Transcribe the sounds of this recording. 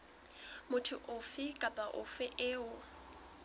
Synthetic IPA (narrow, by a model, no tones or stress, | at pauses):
mʊtʰʊʔʊfɪkʼapʼaʔʊ̰fɪʔɪːʊ